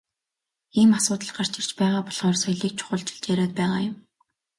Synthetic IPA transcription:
iːmasʊːt̪ə̆ɮɢar̥t͡ɕɪ̆r̥t͡ɕpæːʁaːpɔɮʁɔːrsœjɮiːk̚t͡ɕʰʊ̥χə̆ɮt͡ɕɪ̆ɮt͡ɕjæɾʲaːt̪̚pæːʁaːjʊm

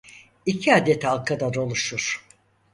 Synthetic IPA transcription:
icʰiaːd̪ɛt̪ʰalˠkʰad̪aɾo̞lˠuʃuɾ̥

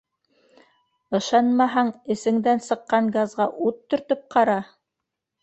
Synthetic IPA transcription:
ɤ̆ʃɑnmɑɦɑŋɘ̆sɘ̆ŋd̪ænsɤ̆qːɑɴɡazʁɑʔut̪ːɵ̆ɾt̪ɵp̚qʰɑɾɑ

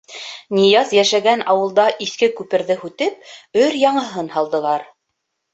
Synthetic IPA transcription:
nʲijɑzjæʃæɡænɑwɤ̆lˠd̪ɑʔiθkɘkʉpɘ̆ɾðɘhʉt̪ɘp̚ɵɾjɑɴɤ̆ɦɤnhɑlˠd̪ɤ̆lˠɑɾ

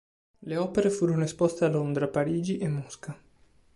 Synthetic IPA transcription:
leɔːpeɾefuːɾonoespɔst̪ealond̪ɾapaɾiːd͡ʒiʔemːuska

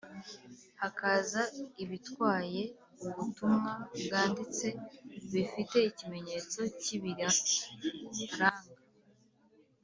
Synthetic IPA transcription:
hakazaiβitkwaːje̞ | uβutumŋabɡaːndit͡se̞βifite̞icime̞ɲe̞t͡so̞ciβiɾa | ɾaːŋɡa

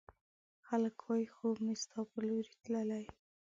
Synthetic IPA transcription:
xaləkwɑjixomist̪ɑpəloɾi̥t̪ləlaj

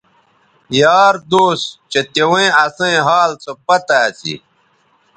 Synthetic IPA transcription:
jaːɾd̪oːst͡ɕet̪ewẽɐsɐ̃ẽɦaːlt͡sopɐt̪aːt͡sḭ

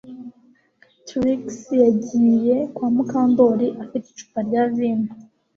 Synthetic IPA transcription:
tɾiksjaɟiːje̞kwaːmukaːndo̞ɾiʔafiti̥t͡ʃu̥paɾɟaːviːnu

